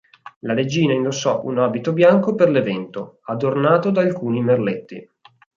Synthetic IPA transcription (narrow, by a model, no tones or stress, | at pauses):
laɾed͡ʒiːnaind̪osːɔʔunaːbit̪objaŋkoperlevɛnt̪oad̪ornaːt̪od̪aːlkuːnimerlet̪ːḭ